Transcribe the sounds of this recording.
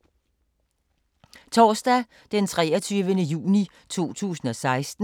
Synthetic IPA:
t͡sʰɒːsd̥æ | d̥ent͡sʰʁɛ̰ːɒt͡sʰyːʋənəjṵːni | t͡sʰo̝̰ːt͡sʰṵːsn̩ɒ̽sɑ̈ɪsd̥n̩

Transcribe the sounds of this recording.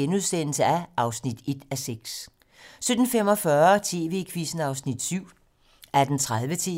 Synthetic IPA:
enuð̞ˠsen̰l̩səæʔɑ̈ʊsnid̥e̝d̥æseɡ̥s | sød̥n̩fem̰ɒ̽fɶɐt͡sʰe̝̰ːʋe̝̰ːkʰʋisn̩ɑ̈ʊsnid̥syʊ̰ | æɐd̥ent͡sʰʁaðˠʋət͡sʰe̝̰

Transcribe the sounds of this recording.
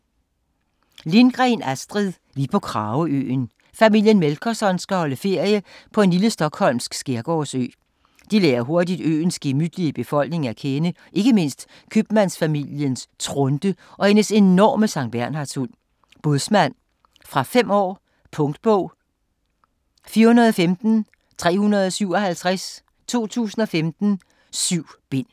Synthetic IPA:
linɡ̥ʁɛnæsd̥ʁiðˠ | ʋipʰɒ̽kʰʁɑ̈ːʊəø̰ːn | fæmil̰jənmelkʰɒsɒ̽nsɡ̥æhɒ̽ləfe̝ɐ̰jəpʰɒ̽e̝nliləsd̥ɒ̽ɡ̥hɒ̽l̰msɡ̥sɡ̥eɐɡ̥ɒ̰sø̰ː | d̥ilḛːɐɦo̝ɐdid̥ø̰ːn̩sɡ̥emyd̥liəb̥e̝fɒ̽l̰ɡ̥ne̝ŋækʰenə | ʔe̝ɡ̥əme̝n̰sd̥ | kʰyb̥mænsfæmiljənst͡sʰʁɔnd̥əʔɒ̽enəse̝nɒ̰ːməsɑ̈ŋ̰d̥̚b̥æɐnɦɑ̥̈sul | b̥ɔðˠsmæn̰ | fʁɑ̈fem̰ɒ̰ː | pʰɔ̽ŋd̥əb̥ɔʊ̰ | fiːɐunɐð̞ˠɒ̽femd̥n̩ | t͡sʰʁɛ̰ːhunɐð̞ˠɒ̽syʊ̰ɒ̽hælt͡sʰʁas | t͡sʰo̝̰ːt͡sʰṵːsn̩ɒ̽femd̥n̩ | syʊ̰b̥e̝n̰

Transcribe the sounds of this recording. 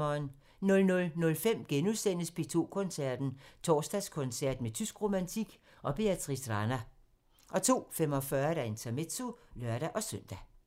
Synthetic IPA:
ɒːn | nɔ̽lnɔ̽lnɔ̽lfem̰ɡ̥enuðˠsen̰əsb̥ʰe̝t͡sʰo̝ːkʰɔ̽nsæɐd̥n̩t͡sʰɒ̰ːsd̥æskʰɔ̽nsæɐ̰d̥met͡sʰysɡ̥ʁo̝mænt͡sʰiɡ̥ | ʔɒ̽b̥e̝æt͡sʰʁisʁɑnæ | ʔɒ̽t͡sʰo̝̰ːfem̰ɒ̽fɶɐd̥æe̝nt͡sʰæme̝d̥so̝lɶɐɾ̥æʔɒ̽søn̰d̥æ

